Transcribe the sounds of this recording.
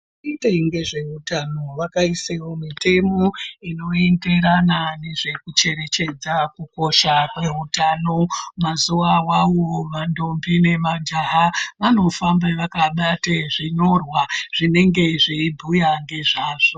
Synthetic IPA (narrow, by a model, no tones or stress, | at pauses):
iteiŋɡe̞ʐe̞ɦutano̞ʋakaisewo̞mite̞mo̞ino̞ende̞ɾanane̞ʐe̞kut͡ʃe̞ɾe̞t͡ʃe̞d͡zakuko̞ʃakwe̞ɦutanomazuʋawawo̞ʋando̞mbine̞mand͡ʒaɦaʋano̞fambaʋakaɓateʐiɲo̞rwaʐ̥ine̞ŋɡe̞ʐiibʱujaŋɡe̞ʐaːʐo